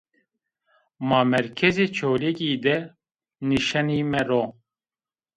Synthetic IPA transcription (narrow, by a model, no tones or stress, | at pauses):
maːmɛɾkʰɛzeːt͡ʃʰoːlekiːd̪ɛ | niʃaniːmɛɾoː